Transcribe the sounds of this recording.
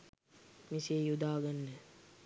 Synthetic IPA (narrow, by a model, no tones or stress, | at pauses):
misejud̪aːɡanːə